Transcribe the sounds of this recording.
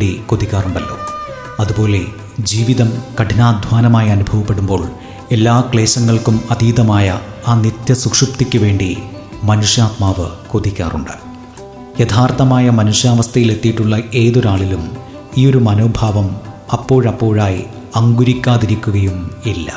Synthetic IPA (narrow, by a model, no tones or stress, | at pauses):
ɖikod̪ikʲːaːruɳɖɐlːo̰ː | ɐðubo̞ːle̞ | d͡ʑiːʋiðɐmkɐʈʰinaːd̪ʱʋaːnɐmaːjɐnubʱɐʋɐpːe̞ɽumbo̞ːɭ | e̞lːaːkɭe̞ːɕɐŋːɐɭkumɐðiːðɐmaːjɐaːnit̪jɐsukʂɨpt̪ikʲːuʋe̞ːɳɖi | mɐnuʂjaːt̪̚maːʋɨ̰koðikʲːa̰ːrṵɳɖɨ̥ | jet̪ʰaːrt̪ɐmaːjɐmɐnuʂjaːʋɐst̪ʰɐjile̞t̪ːijʈːuɭːɐe̞ːðoɾaːɭilum | iːo̞ɾumɐnoːbʱaːʋɐmɐpːo̞ːɻɐpːo̞ːɻaːji | ɐŋɡuɾikʲːaːðiɾikʲːuɣɐjumilːɐ̰